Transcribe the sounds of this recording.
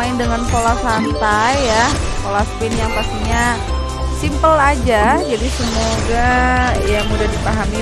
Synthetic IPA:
aɪndəŋanfolasant̪ajːa | kolaspɪnjaŋpast̪iɲa | simpəlad͡ʒad͡ʒadisəmoɡajamudahdipaɦami

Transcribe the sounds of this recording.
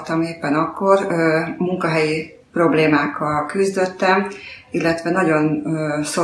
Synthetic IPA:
t̪ːɒmeːpːɛnɒkːo̞rmuŋkɒɦɛji | pro̞bleːmaːkːɒlkyzd̪øt̪ːɛmilːɛt̪ʋɛnɒɟo̞nøso

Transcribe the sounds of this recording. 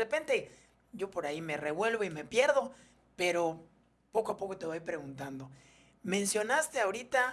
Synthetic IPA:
repe̞nt̪e̞ | ɟ͡ʝo̞po̞ɾaime̞re̞βwe̞lβo̞ime̞pje̞ɾðo̞ | pe̞ɾo̞ | po̞koapo̞ko̞t̪e̞βojpɾe̞ɣunt̪and̪o̞ | mẽ̞nsjo̞nast̪e̞aoɾit̪a

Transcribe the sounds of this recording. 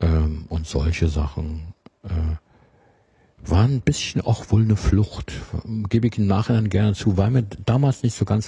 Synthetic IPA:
ʔɛːmʔʊntz̥ɔ̰lçəza̰χn̩ʔɛː | vaːɐnnbɪsçn̩ʔa̰ʊxv̥oːlnəflʊxtɡ̥eːbəɪçɪmnaːχɪnaɪnɡɛɐnət͡suːvaɪlmiːɐdaːmaːlsnɪçtz̥oːɡant͡s

